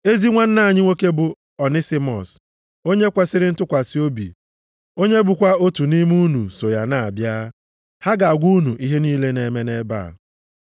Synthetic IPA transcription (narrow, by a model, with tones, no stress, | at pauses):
e˦zi˦ŋʷa˦n̩˦na˦˨ɲɪ˦ŋʷe˦ke˦bʊ˨ | ɔ˨nɪ˦sɪ˦mɔ̰˨s | o˦ɲe˦kʷa˦sɪ˦ɾɪ˦n̩˦tʊ˦kʷa˨si˨˦o˦bḭ˨ | o˦ɲe˦bu˨kʷa˦o˦tu˨ni˦m˦u˦nu˨so˨ja˨na˦˨a˨bja˦ | ha˦ɡa˨ɡʷu˦nu˨ʔi˦ɦe˦niː˦le˦ne˨me˦ne˦ba̰ː˦˨